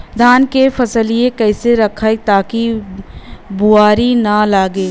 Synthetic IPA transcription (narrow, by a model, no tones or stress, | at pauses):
d̪ʱaːnkefʰɐsəliekɛːseɾɐkʰaet̪aːki | buaːɾinɐlaːɡeː